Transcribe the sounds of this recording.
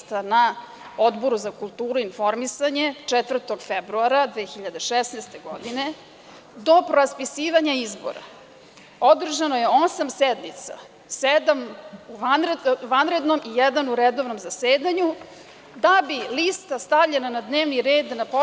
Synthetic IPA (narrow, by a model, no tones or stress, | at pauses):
t̪ana | o̞d̪bo̞ɾuzakulˠt̪uːɾuinfo̞ɾmisaɲe̞t͡ʂɛt̪vr̩t̪o̞ɡfebɾuaɾad̪ʋeːxiʎad̪eʃɛsnest̪eɡo̞d̪ine̞ | d̪o̞pɾoaspisiːʋaɲaizbo̰ɾa̰ | o̞d̪r̩ʒanoje̞o̞samsɛd̪mit̪sa̰ | sed̪amuʋanɾʋanɾe̞d̪no̞mʔijɛd̪anuɾed̪o̞vno̞mzaseːd̪aɲu | d̪abilist̪ast̪avʎʲenanad̪neːʋniɾeːd̪napo